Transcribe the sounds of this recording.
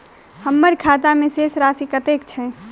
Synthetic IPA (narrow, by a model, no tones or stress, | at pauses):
həmːəɾkʰaːt̪amẽseːsɾaːsikət̪eːkt͡ʃʰɛ